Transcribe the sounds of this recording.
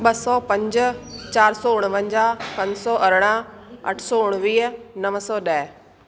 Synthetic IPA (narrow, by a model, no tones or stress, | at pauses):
ɓɐsɔːpɐ̃ɲd͡ʑ̆t͡ɕaːɾsɔːʊɽ̃ʋə̃ɲd͡ʑaːpɐ̃ɲsɔːʔɐɾɽ̃aɐ̰ʈʰsɔːʊɽ̃ʋiːɦnɐʋsɔːɗɐɦ